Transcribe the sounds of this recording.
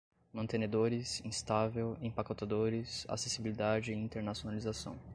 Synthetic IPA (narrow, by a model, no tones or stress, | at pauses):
mɐ̃nt̪ẽned̪oɾɪsĩst̪avewẽpakot̪ad̪oɾɪsa̰sesibilid̪ad͡ʒɪĩt̪eɾnasionalizasɐ̰̃w̃